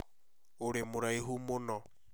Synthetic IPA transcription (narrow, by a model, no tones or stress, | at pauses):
ʊɺɪmʊɾaiɦumʊnɔ